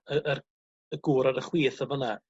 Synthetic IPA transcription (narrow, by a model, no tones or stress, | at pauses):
əʔər | əɡ̥uːɾaɾəχwiːθəvɔna